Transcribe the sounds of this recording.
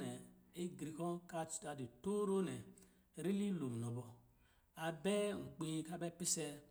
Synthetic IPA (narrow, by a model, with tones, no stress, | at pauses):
nɛ˨e˦ɡɾi˨kɔ˦nka˦t͡ʃta˨di˨to˦ɾo˦nɛ˨ | ɾi˦li˦lo˨m˨nɔ˨bɔ˨ | a˨bɛ˦˨ŋ̩˨k͡pi˦ka˦bɛ˦pi˦sɛ˦